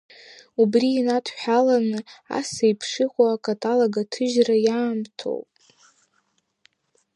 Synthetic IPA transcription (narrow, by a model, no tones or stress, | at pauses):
ubriːnatʰħᶣalanɨa̰sajpʰʂɨχʷoakʼatʼalaɡatʰɨʒrajaːmtʰo̰wpʼ